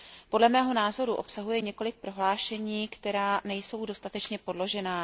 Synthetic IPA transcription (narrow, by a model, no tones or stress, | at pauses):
po̞dlɛmɛːɦo̞naːzo̞ɾuʔo̞psaɦujɛɲɛko̞lɪk̚pɾo̞ɦlaːʃɛɲiːkt̪ɛɾaːnɛjso̞wdo̞st̪at̪ɛt͡ʃɲɛpo̞dlo̞ʒɛnaː